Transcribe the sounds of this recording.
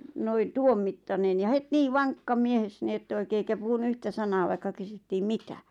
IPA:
noin̆ tuomːitːɑnen jɑ het niː ʋɑŋkːɑ mies ni etː oikeː eikæ puhunu yhtæ sɑnɑː ʋɑikːɑ kysytːiːm mitæ

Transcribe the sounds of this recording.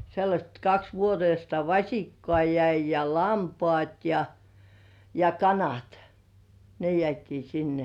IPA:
selːɑsʲt kɑks ʋuoteistɑ ʋɑsʲikːŏɑˑ jæi jɑ lɑmpŏɑˑt jɑ jɑ kɑnɑt ne jĕæˑtiː sinːe

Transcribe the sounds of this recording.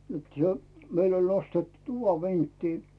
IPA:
et se meilː olʲ nostetːu tuʋɑ ʋintːiː

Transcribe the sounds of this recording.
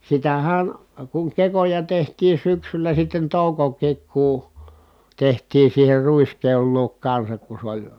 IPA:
sitæhæˑn kuŋ kekojɑ tehtiː syksylæ sitːen toˑukokˑiːk kuˑ tehtiːn̞ siːher ruiskeol luok kɑnsɑk ku sĕ olʲ

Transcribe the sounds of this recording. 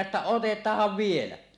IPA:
etːæ otetˑɑːhˑɑʋ ʋielæ

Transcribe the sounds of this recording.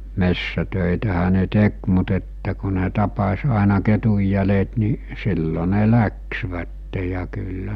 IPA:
mesːætøˑitæhæ ne tek mut etːæ ku ne tɑpɑsʲ ɑˑenɑ ketujːælet ni silːo ne læksʋætːe jɑ kylːæ

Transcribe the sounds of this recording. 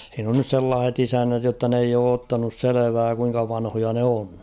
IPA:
h̞iːn on nys selːɑːh̞et isænːæt jotːɑ n eij oː otːɑnus seleʋæː kuiŋkɑ ʋɑnhojɑ ne on

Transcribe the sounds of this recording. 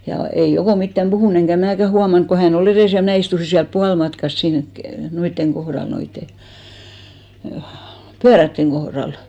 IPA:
jɑ ei okoˑ mitːæm b̥uhuˑn eŋkæ mnæˑkæ huɑmɑŋk ko hæn ol ereˑs jɑ mnæˑ istusi siælp puɑlmɑtkɑs siːŋk ke noitːeŋ ɡ̊ohrɑl noitːe pyærætːeŋ ɡ̊ohrɑl

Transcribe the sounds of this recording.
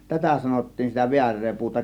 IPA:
tætæ sɑnotːiːn sitæ ʋiærˑeː puːtɑ

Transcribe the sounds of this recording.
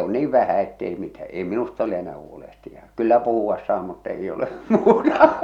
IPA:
on niːʋ ʋæhæ etːei mitæ ei minust ole enæː huolehtijɑ kylːæ puhuɑs sɑː mutː ei ole muːtɑ

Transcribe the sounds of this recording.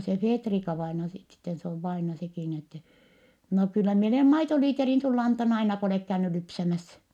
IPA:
se feːtrikɑʋɑinɑ sit sitːen se oʋ ʋɑinɑ sekiˑ ni etːɛ no kylːæ mie oleˑm mɑitoliːterin sulː ɑntɑnː ɑinɑ ko oleˑk kæyny lypsæmæs

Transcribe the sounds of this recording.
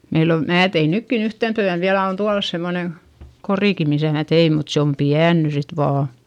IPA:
meil o mæː tein nykːin yhten tyæn ʋiælæ on tuɑlɑs semːone koriˑki misæˑ mæ tei mut se om piæn ny sit ʋɑː

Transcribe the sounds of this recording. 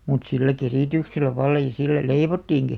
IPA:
mut silːæ keriˑtykselːæ ʋɑlːɑ jɑ silːæ leiʋotːiːŋki

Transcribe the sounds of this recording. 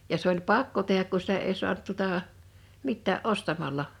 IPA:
jɑ se olʲ pɑkːo tehˑæk ku sitæ ei su̞ɑnt tuŏtɑˑ mitːæːʔ ʔostɑmɑlːɑ

